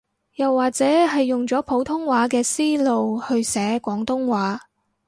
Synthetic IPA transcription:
jɐ˨wːaː˨k̚t͡sɛː˨˥hɐ˨jːʊ˨ŋt͡sɔː˨˥pʰo˨˥wt̪ʰʊ˥ŋwaː˨˥k̬ɛː˧siː˥lo˨whɵ˧ɥsɛː˨˥kʷɔː˨˥ŋt̪ʊ˥ŋwaː˨˥

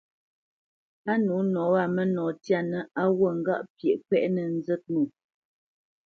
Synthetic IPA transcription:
a˦nu˨˦nɔ˨˦a˦˨mə˦nɔ˨tja˦˨nə˨a˦wə˦˨ŋ̩˦ɡa̰˦ʔpje˨ʔkwɛ˦ʔnə˨n̩˦zə˦t̚nu˨

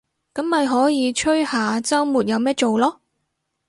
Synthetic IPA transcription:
kɐ˨˥mːɐ˨jɦɔː˨˥jiː˨˧t͡ʃʰɵ˥ɥhaː˨t͡sɐ˥wmuː˨˩t̚jɐ˨˧wmɛː˥t͡ʃo˨wlɔː˥

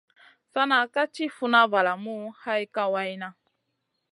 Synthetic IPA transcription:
sa˦na˦ka˦t͡ʃi˦fu˦na˦va˨la˨mu˦ha˦i˦ka˦wa˦i˦na˦

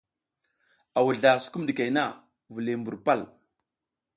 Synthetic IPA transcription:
a˨wu˨ɮa˨su̥˦ku˦mdi˨ka˨jna˦˨ | vu˨le˨mbu˨ɾpa˦˨l

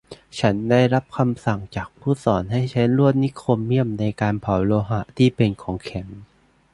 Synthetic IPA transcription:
t͡ɕʰa˦˥nda˥˩jɾa˦˥p̚kʰa˧msa˨˩ŋt͡ɕaː˨˩k̚pʰuː˥˩sɔː˩˦nɦa˥˩jt͡ɕʰa˦˥nɾu˥˩ət̪̚ni˦˥kʰo˧mːi˥˩əmna˧jkaː˧npʰa˨˩˦wloː˧ɦa˨˩˦t̪ʰiː˥˩pe˧nkʰɔː˩˦ŋkʰɛ˨˩˦ŋ

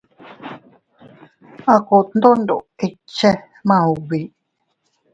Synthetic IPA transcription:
a˧ko˧˨t̪n˦d̪o˦ndo˨i˧t͡ʃe˦ | mã˧˨u˨βi˨

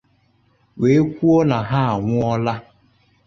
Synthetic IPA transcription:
we˨e˦kʷu˦o˦na˨ɦa˦a˨ŋʷʊ˦ɔ˦la˦

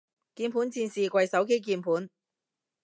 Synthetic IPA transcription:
kiː˧npʰu˨˥nt͡siː˧nsiː˨kʷɐ˧jsɐ˨˥wk̬e˥jk̬iː˧npʰuː˨˥n

